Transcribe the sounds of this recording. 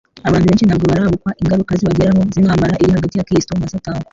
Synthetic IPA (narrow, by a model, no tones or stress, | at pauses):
aβaːntʰuβe̞ːnt͡ʃʃinaɡoβaɾaβukwaʔiŋɡaɾukaziβaɟiɾamozinhaːmbaɾaʔiɾihaɡatijakɾisi̥tomasataːwa